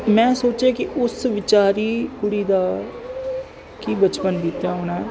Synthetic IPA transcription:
mɛ̃ːsoːt͡ʃeːkɪʔʊsʋɪt͡ʃaːɾiːkʊɽiːd̪aː | kiːbət͡ʃpənbiːt̪jaːɦoːñaːɦɛː

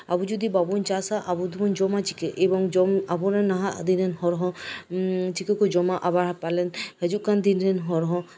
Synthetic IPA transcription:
a̰bud͡ʒud̪ibabunt͡ʃasaʔabud̪ubund͡ʒɔmat͡ʃikeʔebɔŋd͡ʒɔmabuɾenaɦad̪inenhɔɾɦɔ̃ | t͡ʃikekod͡ʒɔmaʔabaɾapalɛnhɛd͡ʒuʔkand̪inɾenɦɔɾɦɔ̃

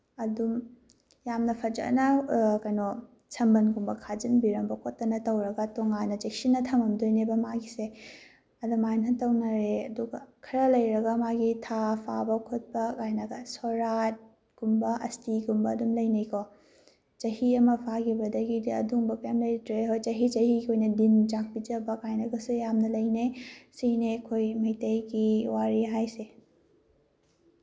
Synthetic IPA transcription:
ɐdum | jamnɐpʰɐd͡ʒɐ̰nɐkɐjnɔ | sʰɐmbɐnɡumbɐkʰad͡ʒinbiɾɐmbɐkʰotːɐnɐtɐwɾɐɡɐtoŋanɐd͡ʒek̚sinːɐtʰɐmɐmdojnebɐmaɡise | ɐdumajnɐtɐwnɐɾeɐduɡɐkʰɐɾɐlɐjɾɐɡɐmaɡitʰapʰa̰bɐkʰut̚bɐkajnɐɡɐsoɾat̚ | ɡ̥umbɐʔɐstiɡumbɐːdumlɐjnejkʰo | t͡ʃɐɦiɐmɐpʰaɡibɐdɐɡidiɐ̰duŋbɐpamlɐjtɾeɦojt͡ʃɐɦit͡ʃɐɦikʰojnɐdind͡ʒak̚pid͡ʒɐbɐkajnɐɡɐsujamnɐlɐjnesinekʰojmɐjtɐjɡiwaɾiɦajse

